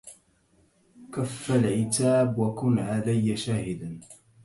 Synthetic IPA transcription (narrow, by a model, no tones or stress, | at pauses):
kafːalʕɪt̪aːbwakʊnʕalajːaʃaːhɪd̪an